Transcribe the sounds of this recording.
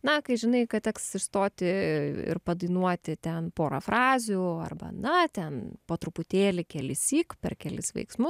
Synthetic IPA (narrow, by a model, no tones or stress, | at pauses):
nɐkɐɪʒʲɪnɐɪkɐtt̪ʲɛksɪʃst̪oːt̪ʲɪɪ̰ɾpɐd̪ɐɪnuɔt̪ʲɪt̪ʲɛnpoːɾɐfɾɑːzʲuɐ̰rbɐ̰nɐt̪ʲɛnpoːt̪ɾʊpʊt̪ʲeːlʲɪkʲɛlʲɪsʲiːkpʲɛ̰rkʲɛlʲɪsʋɐ̰ɪksmʊs